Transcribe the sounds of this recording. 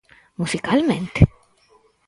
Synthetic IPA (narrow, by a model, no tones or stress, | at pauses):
musikalmẽnt̪e